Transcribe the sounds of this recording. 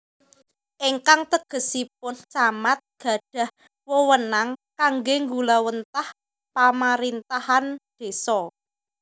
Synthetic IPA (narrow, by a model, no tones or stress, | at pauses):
ʔiŋkaŋt̪əɡ̥ə̤sip̚ʊnt͡ʃamat̪̚ɡ̥ä̤ɖ̥ä̤h | wowənaŋkaŋɡeŋɡulawənt̪ah | pamaɾint̪ahand̪̥e̤sɔ